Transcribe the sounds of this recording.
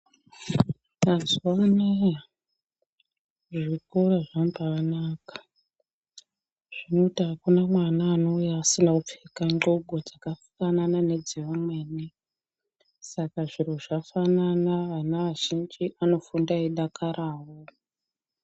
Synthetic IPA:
mazuwaneja | ʐikoraʐampaːnaːkḁ | ʐ̥ino̞itiɦakunamwanaːno̞ujaːsinakup͡fekaŋɡoɡʱod͡zakafu̥kananane̞d͡ziʋamwe̞ːne | sakaʐiroʐafananaʋanaʋaʒind͡ʒiʔano̞fundaiɗakʰarʔaːʋo

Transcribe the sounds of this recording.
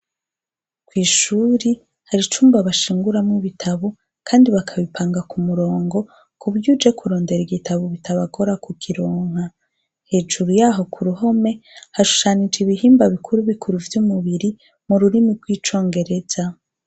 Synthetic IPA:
kwiːʃuːɾi | haɾit͡ʃuːmbaβaʃiːŋɡuɾamŋiβitʰaβo | kʰaːndiβakʰaβipʰaːŋɡakumuɾo̞ːŋɡo̞ | kʰuβjud͡ʒekʰuɾo̞ːnde̞ɾiɡitʰaβoβitʰaβaɡo̞ɾakukʰiɾoːŋ̥ha | he̞ːd͡ʒuɾujaːɦo̞kʰuɾuɦo̞me̞haʃu̥ʃanid͡ʒiβiɦiːmbaβikʰuɾuβikʰuɾuvjumuβiɾi | muɾuɾimiɾɡwiːt͡ʃo̞ːŋɡe̞ɾe̞z̥a

